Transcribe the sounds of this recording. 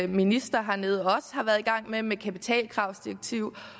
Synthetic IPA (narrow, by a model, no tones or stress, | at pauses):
minisd̥ɐɦɑ̈ne̝ð̞̩ˠɒ̽səhɑ̈ʋæɐð̞ˠiɡ̥ɑ̈ŋ̰memekʰæpit͡sʰɛ̰ːlkʰʁɑ̈ʊsd̥iʁɐɡ̥̚t͡sʰiʊ̰